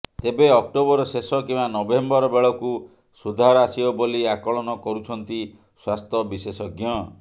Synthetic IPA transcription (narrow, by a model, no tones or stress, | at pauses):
t̪ebeɔk̚ʈobɔɾɔsesɔkimanɔbembɔɾɔbeɭɔku | sud̪ʱaɾɔasiɔboliakɔɭɔnɔkɔɾut͡ʃʰɔnt̪i | swast̪ʰɔbisesɔɡjɔ